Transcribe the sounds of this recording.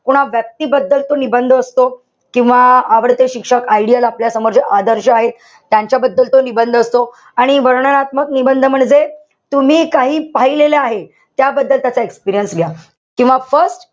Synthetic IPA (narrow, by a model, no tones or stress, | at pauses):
koɽ̃aʋjək̚t̪iːbəd̪ːəlt̪onibənd̪ʱəəst̪o | kĩw̃ʋaaʋəɾt̪eɕikʂəkaiɽijalapljasəməɾd͡ʑəʔad̪əɾɕəaɦe | t̪jaɲt͡ɕjabəd̪ːəlt̪onibənd̪ʱəəst̪o | aɽ̃iʋəɾɳənat̪məknibənd̪ʱəm̤əɳd͡ze | t̪um̤iːkaɦiːpaɦileleaɦe | t̪jabəd̪ːəlt̪jat͡saekspiɾijənsɡja | kĩw̃ʋafəɾsʈ